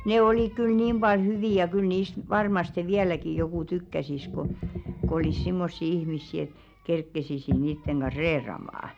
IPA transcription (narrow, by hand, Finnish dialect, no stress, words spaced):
neˑ oliˑk kyl niːm b̥ɑl hyʋiˑ jɑ kyl niːst ʋɑrmɑste ʋiælæki jokuˑ tykːæsis ko kŏ olis simːosːi ihmisːi et kerkːesisi niːtːeŋ ɡ̊ɑn̞s̆ reːrɑmɑː